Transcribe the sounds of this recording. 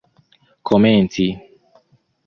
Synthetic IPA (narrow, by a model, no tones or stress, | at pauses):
kʰoment͡si